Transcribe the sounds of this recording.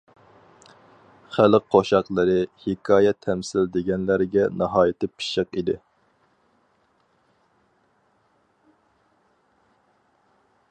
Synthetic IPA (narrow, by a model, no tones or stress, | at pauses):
χælɪk̚ʲqʰoʃɑqlˠɨɾɨhɪkʰɑːjɛt̪ʰɛmsɪld̪ɪɡʲɛnlæɾɡʲɛnɑɦɑːjɪt̪ɪpʰi̥ʃəqid̪ɪ